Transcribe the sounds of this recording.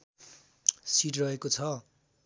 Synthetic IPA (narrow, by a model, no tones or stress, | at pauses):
siʈ̬rʌɦekot͡sʰʌ